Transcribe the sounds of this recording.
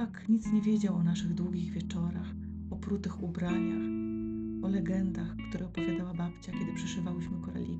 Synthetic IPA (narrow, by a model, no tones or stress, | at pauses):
akɲit̪sɲɛvʲjɛd͡ʑawɔnaʂɘɣd̪wuɡʲiɣvʲɛt͡ʂɔɾax | ɔpɾut̪ɘxubɾaɲax | ɔlɛɡɛnd̪axkt̪uɾɛɔpɔvʲjad̪awabapt͡ɕakʲɛd̪ɘpʂɛʂɨvawɘɕmɘkɔɾɛ̰lʲḭ